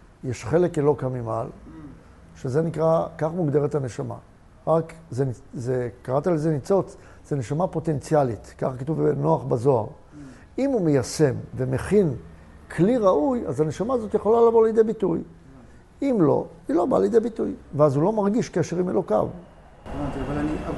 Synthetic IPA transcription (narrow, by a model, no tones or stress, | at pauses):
jeʃχe̞lekelo̞kamima̰l | ʃeze̞nikʁakaχmuɡd̪e̞ʁet̪hane̞ʃama̰ | ʁakzenizekaʁat̪alezenit͡so̞t͡s | z̥eneʃamapo̞te̞nt͡sialit̪ka̰χkatuvbeno̞aχbazo̞a̰ʁ | imumejase̞mve̞me̞χin | kʰliʁaujazhane̞ʃamaːzo̞t̪jeχo̞lalavo̞lejd̪e̞jbituj | imlo̞̰ | ilo̞ba̰lejid̪ebitujveazulo̞maʁɡiʃkeʃe̞ʁimelo̞ka̰v | at̪a